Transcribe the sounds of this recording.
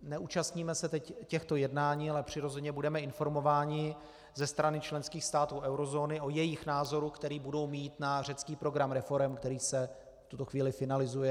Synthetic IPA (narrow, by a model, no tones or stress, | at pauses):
nɛʔut͡ʃast̪ɲiːmɛsɛt̪ɛccɛxt̪o̞jɛdnaːɲiːalɛpr̝̥ɪɾo̞zɛɲɛbudɛmɛɪnfo̞ɾmo̞vaːɲɪ | zɛst̪ɾanɪt͡ʃlɛnskiːxst̪aːt̪uːʔɛwɾo̞zo̞ːnɪʔo̞jɛjɪxnaːzo̞ɾukt̪ɛɾiːbudo̞wmiːt̪nar̝ɛt͡skiːpɾo̞ɡɾamɾɛfo̞ɾɛmkt̪ɛɾiːsɛ | ft̪ut̪o̞xviːlɪfɪnalɪzujɛ